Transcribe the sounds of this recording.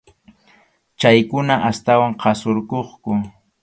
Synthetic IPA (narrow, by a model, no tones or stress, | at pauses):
t͡ʃajkʊnaʔast̪awaŋqʰɑsoɾkoχkʊ